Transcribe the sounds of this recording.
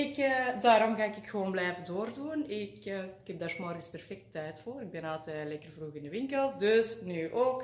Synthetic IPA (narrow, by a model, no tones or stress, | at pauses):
ɪkədaːɾɔmɣaːɪkɪkxəʋoːnblɛjvədoːrduːənɪkːhɛb̚daːrsmɔrɣəspɛrfɛk̚tːɛjtfoːɾɪɡ̚bɛnalˠtɛlɛkərvruɣɪndəʋɪŋkəlˠdøsnyːʔoːk